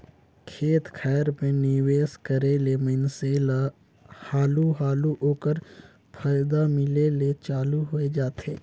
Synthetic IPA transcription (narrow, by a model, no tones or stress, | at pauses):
kʰeːt̪kʰɛːjəɾmẽnɪweːskəɾeleməɪnsel | haːluɦaːluʔoːkəɾ | pʰaːjd̪amɪlelet͡ʃaːluɦoed͡ʒaːt̪eː